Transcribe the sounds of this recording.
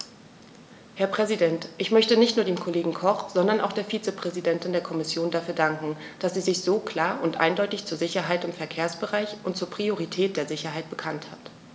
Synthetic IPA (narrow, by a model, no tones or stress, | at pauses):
hɛɐpʁ̥ɛzidɛntʔɪçmœçtənɪçtnuːɐdeːmkʰoleːɡŋ̩kʰɔχz̥ɔndɐnʔa̰ʊxd̥eːɐfiːt͡səpʁ̥ɛzidɛntɪndeːɐkʰɔmɪsjoːndafyːɐdaŋkŋ̩ | d̥asz̥iːzɪçz̥oːkl̥aːɐʔʊntʔa̰ɪndɔʏtɪçt͡suːɐzɪçɐɦaɪtɪmfɛɐkʰeːɐsb̥əʁaɪçʔʊntt͡suːɐpʁ̥ioʁ̞itʰɛːt̚d̥eːɐzɪçɐɦaɪt̚b̥əkʰanthat